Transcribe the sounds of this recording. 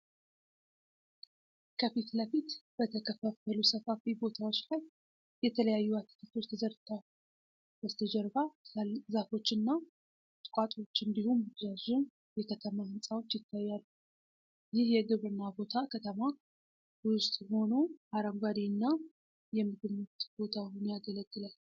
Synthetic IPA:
kʰəfit̪ləfit̪b̥ət̪ʰəkʰəfəfəlusəfafibo̞t̪ʰawo̞t͡ʃːlaj | jɛt̪ʰələjajːuat̪ːi̥kʰit̪ʰo̞t͡ʃːt̪ʰəzəɾt̪ʰau | b̥əst̪ʰəd͡ʒɛɾbazafo̞t͡ʃːɨnːa | t̪ʼɨ̥kʼat̪ʼo̞t͡ʃːɨnd̪ihumzazɛn | jɛkʰət̪ʰəmahɨnsʼawo̞t͡ʃːjɪt̪ʰːajːalːu | jɪhjɛɡɨβɾɨnːabo̞t̪ʰakʰət̪ʰəma | wst̪ʼho̞no̞ʔaɾəmɡad̪inːa | jɛmɨɡɨmːət̪b̥o̞t̪ʰahunjaɡələɡːɨlal

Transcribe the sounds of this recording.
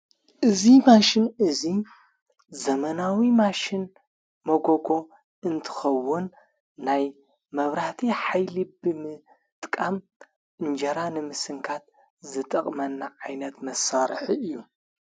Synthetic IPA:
ʔɨzimaʃɪnɨzi | zɐmɐnawimaʃɪn | mɐɡoɡo̞ | ɨnt̪ʰɨ̥xɐwːʊnː | aj | mɐβɾaht̪ʰiħajlibɨmɨ | t̪ʼkʼam | ʔɨnd͡ʒɐɾanɨmɨsɨŋkʰat̪̚ | zɨt̪ʼɐkʼmɐnːaʕajnɐt̪mɐsːaɾħiɨjːu

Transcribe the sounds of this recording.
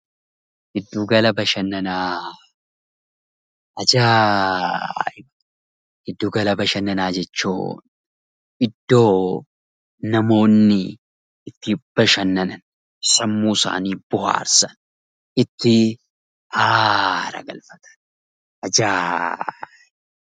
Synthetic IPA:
ʔɪd̪ːuːɡɐlɐbɐʃɐnːɐnaː | ɐd͡ʒaː | ɪbɐ | ʔɪd̪ːuːɡɐlɐbɐʃɐnːɐnaːd͡ʒɛt͡ʃːṵːn | ʔɪd̪ːo̞ː | nɐmo̞ːnːɪ | ɪt̪ːɪb̥ɐʃɐnːɐnɐn | sɐmːuːsa̰ːniːb̥ʊha̰ːɾsɐn | ɪt̪ːɪ | ʔaːɾɐ̰ɡɐ̰lfɐ̥t̪ʰɐ̥n | ɐd͡ʒaː

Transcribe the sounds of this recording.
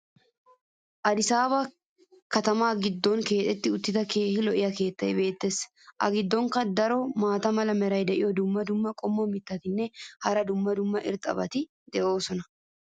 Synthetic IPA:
ʔɐd̪ɪsaːbɐ | kɐt̪ɐmaːɡɪd̪ːɔnke̞ːt̪ɛt̪ːɪʊt̪ːɪt̪ɐkeːhɪlɔʔɪjɐke̞ːt̪ːɐjbe̞ːt̪ːe̞s | ʔɐ̰ɡɪd̪ːɔŋkɐd̪ɐɾɔmaːt̪ɐmɐlɐmɛɾɐjd̪ɛʔɪjɔd̪ʊmːɐd̪ʊmːɐkʼɔmːɔmɪt̪ːɐt̪ɪnːɛhɐɾɐd̪ʊmːɐd̪ʊmːɐʔɪɾt̪ʼɐ̰bɐ̰t̪ɪ | d̪ɛʔo̞ːsɔnɐ

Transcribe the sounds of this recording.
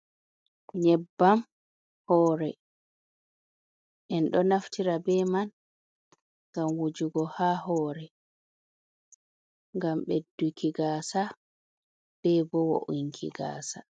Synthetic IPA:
ɲɛbːam | hɔːɾɛ | ʔɛnɗɔnaftiɾabɛman | ŋɡamwud͡ʒuɡɔhaːhɔːɾɛ | ŋɡamɓedːukʰiɡaːsa | b̥ɛbɔwo̰ʔuŋkʰḭɡa̰ːsa

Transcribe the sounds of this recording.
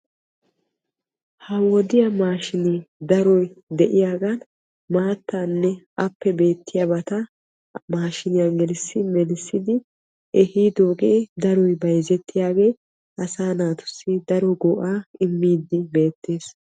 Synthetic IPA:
hɐwɔd̪ɪjamaːʃɪnɪd̪ɐɾɔjd̪ɛʔɪjaːɡɐn | maːt̪ːaːnːɛʔɐpːɛbe̞ːt̪ʰːɪjɐbɐt̪ɐ | maːʃɪnɪjaɡɛlɪsːɪmɛlɪsːɪd̪ɪ | ʔɛhiːd̪oːɡeːd̪ɐɾɔjbɐjzɛt̪ːɪjaːɡe̞ː | ʔɐsaːnaːt̪ʊ̥sːɪd̪ɐɾɔɡɔːʔaːɪmːiːd̪ːɪbe̞ːt̪ːe̞ːs

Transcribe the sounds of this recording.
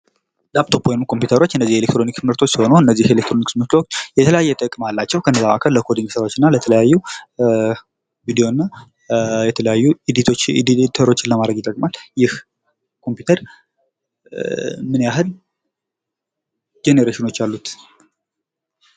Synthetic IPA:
lap̚t̪ʰo̞pwjnmkʰo̞mpjut̪ʰəɾo̞t͡ʃːɨnːəzːihelek̚t̪ɾo̞nikt̪mɨɾt̪ʰo̞t͡ʃːsiho̞nuɨnːəzːihelekt̪ɾo̞niksmɨt̪ot͡ʃːjɛt̪ʰələjajːɛt̪ʼəkʼmalːat͡ʃːɛwkʰənːəzaβa̰kʰəlləkʰo̞d̪iŋɡsəɾaot͡ʃːɪnːalət̪ʰələjajːu | vid̪ijo̞nːa | jɛt̪ʰələjajːuid̪it̪ʰot͡ʃːdt̪ʰəɾo̞t͡ʃːɪnləmad̪ɾəɡɪt̪ʼəkʼmaljɪh | kʰo̞mpjut̪ʰəɾ | mɨnjaɦɨl | d͡ʒe̞neɾeʃino̞t͡ʃːalːut̪

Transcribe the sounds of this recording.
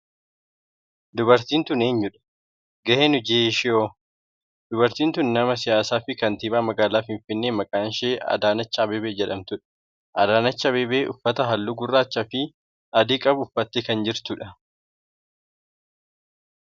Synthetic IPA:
d̪ʊbɐɾt̪iːnt̪ʊne̞ːɲːʊᶑɐ̥ | ɡɐheːnʊd͡ʒeːʃɪjoː | d̪̥ʊbɐɾt̪iːnt̪ʊnnɐmɐs̬ɪjaːsaːfɪkɐnt̪iːbaːmɐɡaːlaːfɪɱfɪnːeːmɐkʼaːnʃeːɐ̰d̪aːnɐt͡ʃːɐɐbeːbeːd͡ʒɛᶑɐmt̪ʊᶑɐ̥ | ʔɐd̪aːnɐt͡ʃːɐɐbeːbeːʔʊfːɐt̪ɐɦɐlːuːɡʊrːaːt͡ʃːɐfɪ | ɐd̪iːkʼɐbʊfːɐt̪ːekɐnd͡ʒɪɾt̪ʊᶑɐ

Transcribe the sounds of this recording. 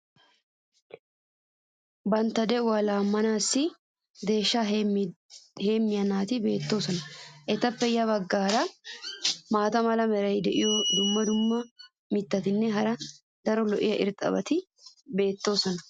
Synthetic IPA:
bɐnt̪ːɐd̪ɛwaːlaːmːɐnaːsːɪ | d̪e̞ːʃːa | he̞ːmːɪjɐnaːt̪ɪbe̞ːt̪ːo̞ːsɐnɐʔɛt̪ɐpːɛjɐβɐɡːaːɾɐ | maːt̪ɐmɐlɐmɛɾɐjd̪ɛʔɪjɔd̪ʊmːɐd̪ʊmːɐ | mɪt̪ːɐt̪ɪnːɛɦɐɾɐ | d̪ɐɾɔlɔʔɪjɐʔɪɾt̪ʼɐ̰bɐt̪ɪ | be̞ːt̪ːo̞ːsɐnɐ

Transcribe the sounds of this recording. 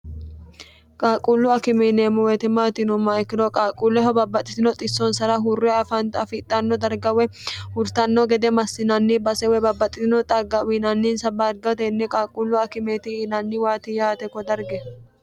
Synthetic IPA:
kʼaːkʼulːʊɐkɪmeneːmʊwet̪ɪmaːt̪ɪnʊmːaɪkːɪdɔkʼaːkʼulːɛɦɔbɐbːɐt̪ʼːɪsɪnɔt̪ʼɪsːɔnsɐɾɐɦʊrːɪɐfɐnt̪ɐfɪːt̪ʼːanːɔd̪ɐɾɡɐwɛhʊɾt̪ɐnːɔɡɛd̪ɛmɐsːɪnɐnːibɐsɛwɛbɐbːɐt̪ʼːɪɪnɔt̪ʼɐɡɐwinɐnːiːnsɐbaːɾɡɐt̪ɛnːɛkʼaːkʼːulːʊɐkɪmeːt̪ɪnɐnːɪwaːt̪ɪjaːt̪ɛkːɔd̪ɐɾɡɛ

